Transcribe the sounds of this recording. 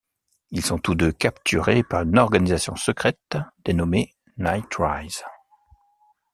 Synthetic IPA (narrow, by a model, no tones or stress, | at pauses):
ilsɔ̃t̪ud̪økapt̪ʰyʁepaʁynɔʁɡanizasjɔ̃səkχɛt̪d̪̥enɔme | najt̪ʁajz̥